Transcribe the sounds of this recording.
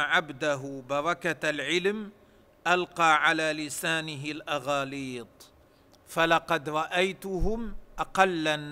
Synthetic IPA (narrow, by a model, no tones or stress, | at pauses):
ʕabd̪aɦʊbɑɾˤɑkalʕɪlm | ʔalqɑːʕalaːlɪsaːnɪɦɪlʔɑɣɑːliːt̪ˤ | falɑqɑd̪ɾˤɑʔajt̪ʊɦʊmʔɑqɑlːan